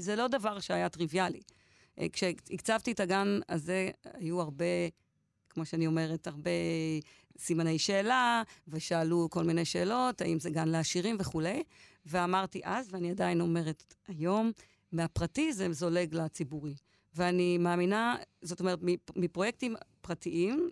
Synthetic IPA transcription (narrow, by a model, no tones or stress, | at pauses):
zelo̞davaʁʃeajatʁivjalḭ | kʃeikt͡savtietaɡanazea̰juaʁbe̞ | kmo̞ʃeanio̞me̞ʁetaʁbe̞ | simane̞jʃe̞ːlaveʃaːluko̞lmine̞jʃe̞ːlo̞taimzeɡanleaʃiʁimve̞χule̞j | veamaʁtiʔazveaniadaino̞me̞ʁe̞tajo̞mː | eapʁatizezo̞le̞ɡlat͡sibuʁi | veanimaːminazoto̞me̞ʁetmimipʁo̞je̞k̚timpʁatiʔim